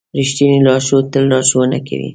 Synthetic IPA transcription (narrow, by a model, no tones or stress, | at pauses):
ɾiʃt̪inilɑʃot̪əlːɑʃwəna̰kʰa̰wḭ